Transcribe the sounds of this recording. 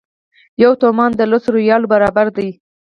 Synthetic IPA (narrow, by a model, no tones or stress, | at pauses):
jawt̪omɑnd̪əlosɾojɑlobaɾɑbaɾd̪aj